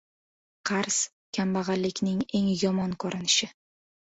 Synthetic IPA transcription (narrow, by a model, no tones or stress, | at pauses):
qʰɑɾs | kʲʰambɑʁɑlːɪkʲnɪŋe̞ŋjɒmɒnkʰoɾɪnɪʃɪ